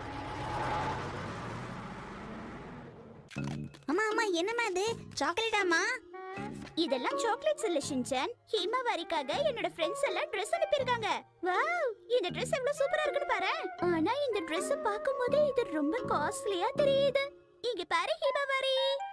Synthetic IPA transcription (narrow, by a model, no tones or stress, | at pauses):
aːmːaːmːaːɛnːɐmaːɐðɯt͡ʃaːkleʈːaːmːaː | ɪðɛlːãːt͡ʃoːkleʈsɪlːɐʃɪnd͡ʒɐnhiːmaːʋaːɾikːaːɣɐɛnːoːɽɐfɾɛɳɖsɛlːãːɖɾɛsɐnɪpːɪɾɯkːaːŋɡɐ | ʋaːʊɪnd̪ɐɖɾɛsɛʋɐɭoːsuːpɐɾaːɪɾɯkːɯɳːɯpaːɾɛ̃ːaːnaːɪnd̪ɐɖɾɛsɐpaːɾkɯmpoːðɯɪðɯɾɔmbɐkaːslɪjaːt̪ɛɾɪjaːðɯ | ɪŋɡeːpaːɾẽːhiːmaːʋaːɾi